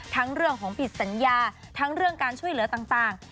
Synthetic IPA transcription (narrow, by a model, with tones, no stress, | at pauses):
t̪ʰa˦˥ŋɾɯ˥˩əŋkʰɔː˩˦ŋpʰi˨˩t̪̚sa˩˦njaː˧t̪ʰa˦˥ŋɾɯ˥˩əŋkaː˧nt͡ɕʰu˥˩əjlɯ˩˦t̪aː˨˩ŋt̪aː˨˩ŋ